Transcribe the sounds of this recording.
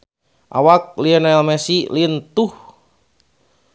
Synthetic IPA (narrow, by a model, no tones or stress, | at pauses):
ʔa̰wak̚liənaɛlmɛsiliənt̪uh